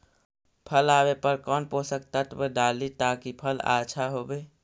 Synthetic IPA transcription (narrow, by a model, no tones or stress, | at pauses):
pʰəlaːbepəɾkɔːnposək̚t̪ət̪bəɖaːlit̪akipʰəla̰t͡ʃʰaɦobe